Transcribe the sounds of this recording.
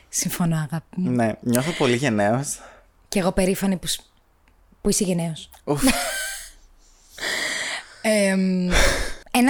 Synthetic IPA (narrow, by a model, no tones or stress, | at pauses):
siɱfonoɐɣɐpneɲoθopo̞liʝene̞os | ceeɣo̞pe̞ɾifɐnipus | puiseʝeneosu | em | en